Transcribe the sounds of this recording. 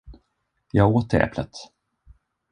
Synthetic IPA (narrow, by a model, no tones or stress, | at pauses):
jɑːɡoːt̪ɛ̰ːplət̪